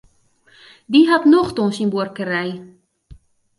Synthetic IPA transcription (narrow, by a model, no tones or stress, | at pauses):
diɦɑtnoχtɔnsinburkəɾɛj